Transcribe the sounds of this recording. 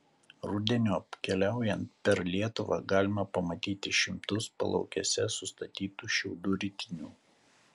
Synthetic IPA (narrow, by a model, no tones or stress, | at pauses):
ɾʊd̪ʲɛnʲuːɐpʲkʲɛlʲæˑʊjɛnt̪̚pʲɛɾlʲiɛt̪ʊʋɑ̰ɡɑːlʲɪmɐpɐmɐt̪ʲiːt̪ʲɪʃʲɪmt̪ʊspɐ̰lˠɒ̰ʊkʲɛsʲɛsʊst̪ɐt̪ʲiːt̪uːʃʲɛʊd̪uːɾʲɪt̪ʲɪnʲuː